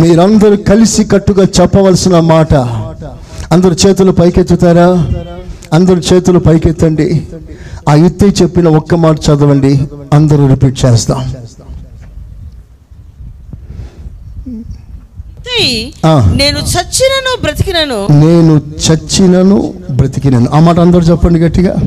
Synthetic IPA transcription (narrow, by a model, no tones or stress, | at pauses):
miːɾuɐnd̪ɐɾukɐlisikɐʈːuɡaːt͡ʃɛpːɐʋɐlsinɐmaːʈɐ | ɐnd̪ɐɾut͡ʃɛːt̪ulupɐjket̪ːut̪aːɾaː | ɐnd̪ɐɾut͡ʃɛːt̪ulupɐjket̪ːɐɳɖi | aːjut̪ːɐt͡ʃe̞pːinɐɔkːɐmaːʈ̬ɐt͡ʃɐd̪ɐʋɐɳɖiɐnd̪ɐɾuɾipiːʈ̚t͡ʃɛːst̪aːm | aːneːnut͡ʃɐt͡ʃːinɐnubɾɐt̪i̥kinɐnune̞ːnut͡ʃɐt͡ʃːinɐnṵbɾɐt̪ikinɐnuʔaːmaːʈɐnd̪ɐɾuːt͡ʃɛpːɐɳɖiɡɐʈːiɡa̰ː